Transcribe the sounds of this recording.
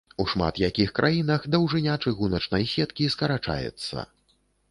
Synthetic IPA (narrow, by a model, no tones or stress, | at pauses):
uʂma̰t̪jakʲixkɾʔajinɐxd̪ɐwʐɨnʲat͡ʂɨɣunɐt͡ʂnɐjsʲɛt̪kʲiskɐɾat͡ʂa̰jɛ̰t̪sːɐ̰